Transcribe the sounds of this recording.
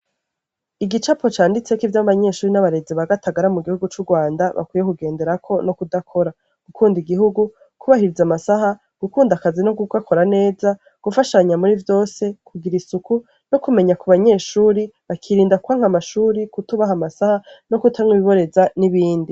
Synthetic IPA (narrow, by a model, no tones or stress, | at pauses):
iɡit͡ʃapo̞t͡ʃaːndit͡se̞kivjaβaβaɲe̞ːʃuːɾinaβaɾe̞ziβaɡataɡaɾamuɡihuɡut͡ʃuɡwaːndaβa̰kwiːje̞kuɡe̞ːnde̞ɾakʰo̞no̞kudakʰo̞ɾa | ɡ̥ukʰuːndiɡiɦuɡu | kʰuβahiɾizamasaɦa | ɡ̥ukuːndakazinoɡukakʰo̞ɾane̞ːza | ɡ̥ufaʃaɲamuɾivjo̞ːse̞kʰuɡiɾisuku | no̞kume̞ɲakuβaɲe̞ːʃuːɾiβakʰiɾiːndakuhaŋ̥amaʃuːɾikutuβaɦamasahano̞kutʰaŋwiiβo̞ɾe̞zaniβiːndi